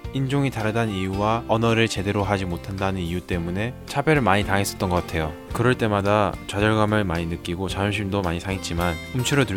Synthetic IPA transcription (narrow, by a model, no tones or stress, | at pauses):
ind͡ʑoŋitaɾɯdanijuwaʌnʌɾɯɭt͡ɕe̞de̞ɾoɦad͡ʑimotʰandanɯnijut͈e̞mune̞t͡ɕʰabjeɾɯɭmaɲitaŋe̞s͈ʌt̚t͈ʌnɡʌk͈atʰe̞jo | kɯɾʌɭt͈e̞madat͡ɕad͡ʑʌɭɡamɯɭmaɲinɯk͈iɡot͡ɕajʌmɕ̬ʰimdomaɲisʰaŋet̚t͡ɕ͈imanumt͡ɕʰiɾʌtɯ